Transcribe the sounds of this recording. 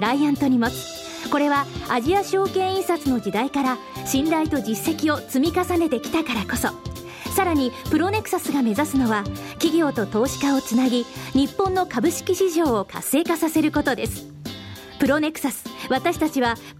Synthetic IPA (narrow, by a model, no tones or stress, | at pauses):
ɾaiãnt̪o̞ɲ̟imosɨ̥ | ko̞ɾe̞βaaʑiaɕo̞ːkẽ̞ɰ̃ĩsat͡sɨno̞d͡ʑid̪aikaɾa | ɕĩnd̪ait̪o̞d͡ʑisːe̞kʲio̞t͡sɨmʲikasane̞t̪e̞kʲi̥t̪akaɾako̞so̞̰ | saɾaɲ̟ipɯ̟ɾo̞ne̞kɯ̟̥sasɨɡame̞zasɨno̞βa | kʲiɡʲo̞ːt̪o̞t̪o̞ːɕi̥kao̞t͡sɨnaɡʲiɲ̟ipːõ̞nːo̞kabɯ̟ɕi̥kʲiɕiʑo̞ːokʰa̰sːe̞ːkasase̞ɾɯ̟ko̞t̪o̞d̪e̞sɨ̥ | pɯ̟ɾo̞ne̞k̟sasɨ̥βat̪aɕi̥t̪at͡ɕiβa